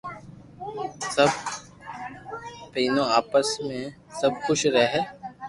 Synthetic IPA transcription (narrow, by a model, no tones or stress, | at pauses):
səb̚ | piːnõaːpəsmẽ | səb̚kʊʃɾəɦeː